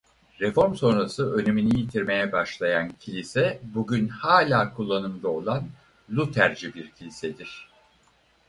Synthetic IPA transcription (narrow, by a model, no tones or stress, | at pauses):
ɾɛfo̞ɾmso̞nɾasɯø̞neminijit̪ʰiɾme̞jɛbaʃlˠajancʰilʲisɛbuɟynhaːlʲaːkʰulˠːanɯmd̪ao̞lˠan | lʲut̪ʰæɾd͡ʒibiɾcʰilʲisɛd̪iɾ̝̥